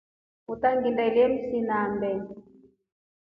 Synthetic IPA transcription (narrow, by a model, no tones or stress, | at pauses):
ut̪aŋɡindailɛmisinambɛn